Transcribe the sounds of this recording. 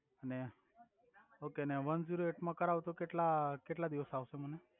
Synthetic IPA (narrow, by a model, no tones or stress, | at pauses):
ane | okenaʋənd͡ziɾoeʈməkːəɾaʋt̪okeʈlakeʈlad̪iʋəsaʋsem̤əne